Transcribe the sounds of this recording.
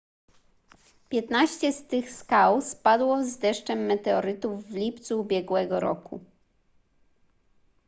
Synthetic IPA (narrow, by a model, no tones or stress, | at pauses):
pʲjɛt̪naɕt͡ɕɛst̪ɘxskawspad̪wɔzd̪ɛʂt͡ʂɛmːɛt̪ɛɔɾɘt̪uvːlʲipt̪suːbʲjɛɡwɛɡɔɾɔ̰kṵ